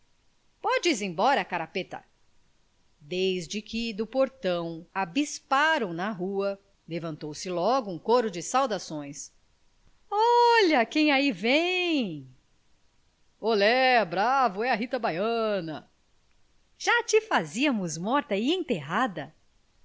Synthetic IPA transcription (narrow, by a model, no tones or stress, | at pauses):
pɔd͡ʒɪzẽj̃bɔɾɐakaɾapet̪ɐ̰ | d̪ejzd͡ʒɪkɪd̪ʊpoɾt̪ɐ̃w̃abispaɾɐ̃w̃nɐɦuɐ | levɐ̃nt̪owsɪlɔɡʊũkoɾʊd͡ʒɪsawd̪asõj̃s | ɔʎɐkẽj̃aivẽj | olɛbɾavʊɛɐɦit̪ɐbajɐnɐ | ʒ̥at͡ʃɪfaziɐmʊzmɔɾt̪ɐɪẽt̪eɦad̪ɐ